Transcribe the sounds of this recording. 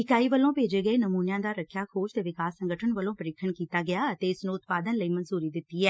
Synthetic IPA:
ɦɪkaːiːʋəlːõːpeːd͡ʒeːɡəeːnəmuːnjãːd̪aːɾəkʰjaːkʰoːʃt̪eːʋɪkaːsːəŋɡəʈʰənʋəlõːpəɾɪkʰəɳkiːt̪aːɡɪaːət̪eːɪsnũːʊt̪̚paːd̪ənləiːmənzuːɾiːd̪ɪt̪ːiːɛː

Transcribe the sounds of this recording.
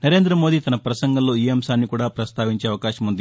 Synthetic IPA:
nɐɾe̞ːnd̪ɾɐmoːd̪it̪ɐnɐpɾɐsɐŋɡɐlːoːiːɐmsaːnːikuːɽaːpɾɐst̪ʰaːʋiɲt͡ʃeːɐʋɐkaːʃɐmund̪i

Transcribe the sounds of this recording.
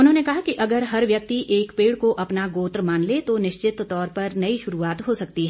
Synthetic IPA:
ʊnɦõːnekɐɦakiʔɐɡəɾɦɐɾʋjɐk̚t̪iʔeːkpeːɽkoʔɐpnaɡoːt̪ɾmaːnlet̪onɪʃt͡ʃɪt̪ːɔːɾpɐɾnɐiʃʊɾuaːt̪ɦosɐkt̪iɦɛː

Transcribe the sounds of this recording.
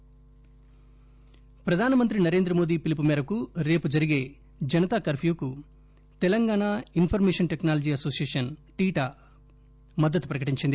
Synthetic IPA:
pɾɐd̪ʱaːnɐmɐnt̪ɾinɐɾe̞ːnd̪ɾɐmo̞ːd̪iːpilip̬umɛːɾɐkuɾe̞ːpud͡ʒɐɾiɡe̞ː | d͡ʒɐnɐt̪aːkɐɾpʰjuːku | t̪ɛlɐŋɡaːɳainpʰɐɾmeːʂɐnʈeknaːlɐd͡ʒiːɐsoːsijeːʂɐnʈiːʈaː | mɐd̪ːɐt̪ːupɾɐkɐʈiɲt͡ʃind̪i

